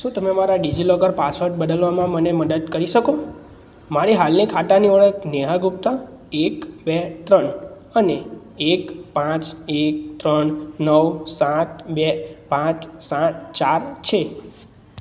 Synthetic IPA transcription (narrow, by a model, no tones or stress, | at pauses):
ʃũt̪əmemaɾaɖid͡ʒilɔɡəɾpasʋəɾʈ̚bəd̪əlʋamãməneməd̪əd̪kəɾiʃəko | maɾiɦalnikʰaʈaniəɭəkneɦaɡup̚t̪a | ekbet̪ɾəɳ | əneː | kpãt͡ʃek̚t̪ɾənnəʋsãt̪̚bepãt̪sãt̪t͡ʃaɾt͡ʃʰe